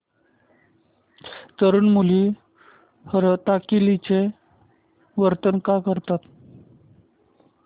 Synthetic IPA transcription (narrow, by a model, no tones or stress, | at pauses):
t̪əɾuːnmuli | həɾət̪akilit͡se | ʋəɾt̪ənkakəɾt̪at̪